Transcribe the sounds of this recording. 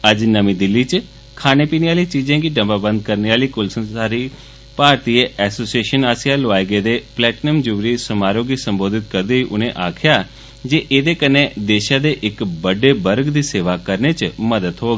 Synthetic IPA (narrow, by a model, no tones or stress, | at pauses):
əd͡ʒnəmĩːd̪ɪlːiːt͡ʃ | kʰaːneːpiːneːaːliːt͡ʃiːd͡ʒãːkiːɖəmbaːbə̃nd̪̚kəɾneːaːliːkʊlsənsaːɾiː | paːɾt̪iːeɛːsoːsieːʃənaːsɪjaːlʊʋaːeɡeːd̪eːplɛːʈnəmd͡ʒʊʋɾiːsəmaːɾoːɡiːsə̃mboːd̪ɪt̪̚kəɾd̪eːiːʔʊnẽːʔaːkʰɪjaː | d͡ʒeːʔeːd̪eːkənːeːd̪eːʃãːd̪eːʔɪkbəɖeːbəɾɡd̪iːseːʋaːkəɾneːt͡ʃməd̪əd̪ɦoːɡ